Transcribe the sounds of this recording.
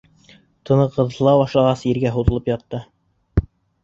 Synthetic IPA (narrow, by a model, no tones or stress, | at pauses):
t̪ʰɤ̆nɤqɤ̆ðɤ̆lˠɑbɑʃlˠɑʁɑsiɾɡæɦuðɤ̆lˠɤpjɑt̪ːɤ